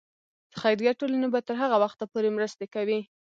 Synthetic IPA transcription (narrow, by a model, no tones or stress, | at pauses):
d̪̥əxajɾjɑʈolanabat̪əɾɦaɣawaxt̪apoɾemɾəst̪ekawi